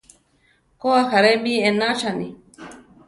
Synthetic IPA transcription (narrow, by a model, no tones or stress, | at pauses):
koaxaɾembienat͡ʃanḭ